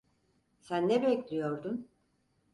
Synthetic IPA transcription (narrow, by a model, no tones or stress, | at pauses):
sænːɛbɛclʲijoɾd̪un